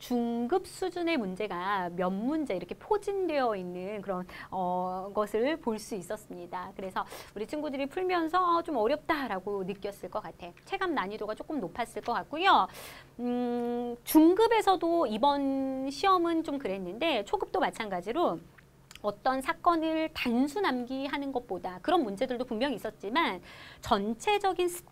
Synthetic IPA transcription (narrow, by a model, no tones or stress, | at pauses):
t͡ɕuŋɡɯp̚s͈ud͡ʑune̞mund͡ʑe̞ɡamjʌnmund͡ʑeiɾʌkʰe̞pʰod͡ʑindwe̞jʌinːɯnkɯɾʌnʌɡʌsʰɯɭpoɭs͈uis͈ʌs͈ɯmɲidakɯɾe̞sʰʌuɾit͡ɕʰinɡudɯɾipʰuɭmjʌnsʰʌt͡ɕomʌɾjʌp̚t͈aɾaɡonɯk͈jʌs͈ɯɭk͈ʌk͈atʰe̞t͡ɕʰe̞ɡamnaɲidoɡat͡ɕ͈ok͈ɯmnopʰas͈ɯɭk͈ʌk͈ak̚k͈ujo | t͡ɕuŋɡɯbe̞sʰʌdoibʌnɕʰiʌmɯnt͡ɕomkɯɾe̞nːɯnde̞t͡ɕʰoɡɯp̚t͈omat͡ɕʰanɡad͡ʑiɾo | ʌt͈ʌnsʰak͈ʌnɯɭtansʰunamɡiɦanɯnɡʌt̚p͈odakɯɾʌnmund͡ʑe̞dɯɭdopumjʌŋis͈ʌt̚t͡ɕ͈imant͡ɕʌnt͡ɕʰe̞d͡ʑʌɡinsʰ